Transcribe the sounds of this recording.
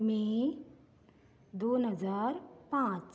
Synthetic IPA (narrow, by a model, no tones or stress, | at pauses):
mẽ | d̪oːnɦəzaːɾpãːt͡ʃ